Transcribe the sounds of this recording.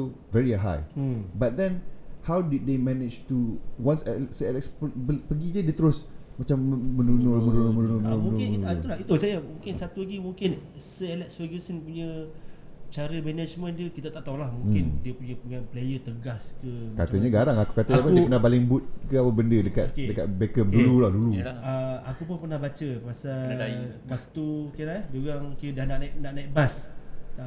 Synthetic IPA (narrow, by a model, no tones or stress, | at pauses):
so | vɛɾiɦa̰jbat̪̚d̪ɛnhawdid̚d̪emɛnɪd͡ʒt̪uwansɛlɛsəɛlɛksəpəɡidiədiət̪əɾʊsmat͡ʃamːənunʊmənunmənunumənʊmnuulait̪usajamũŋkɪnsat̪ulaɡimuŋkɪn | səɛlɛksfəɡəsənpuɲə | t͡ʃaɾəmɛnad͡ʒmə̃ndiəkit̪at̪aʔt̪olahmũŋkɪndiəpuɲəpəɲanplejət̪əɡaskəmkat̪əɲəɡaɾaŋaku̥kat̪əapaudəppənahbalɪŋbut̪̚kəapəbəndədəkat̪̚kedəkat̪bekəp̚dululahduluaakupʊnpərnahbat͡ʃəpəasaɡast̪ukeladuɡaŋkedanaʔnaiʔnaʔnait̪̚basa